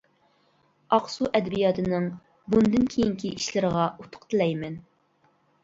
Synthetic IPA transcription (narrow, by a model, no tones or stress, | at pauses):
ɑqsuʔɛd̪ɛbijɑt̪ʰɨnɨŋ | bund̪ɨnkʲʰejiŋkʲʰiiʃlɪɾəʁɑʔut̪ʰʊ̥qt̪ʰɨlɛjmɛn